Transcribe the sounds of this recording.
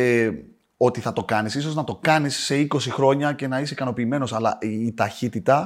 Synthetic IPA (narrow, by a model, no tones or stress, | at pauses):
e | o̞t̪iθɐt̪o̞kɐnisiso̞znɐt̪o̞kɐnisːe̞iko̞sixɾo̞ɲɐce̞nɐis̬ekɐno̞piːme̞no̞sɐlɐ̰it̪ɐçit̪it̪ɐ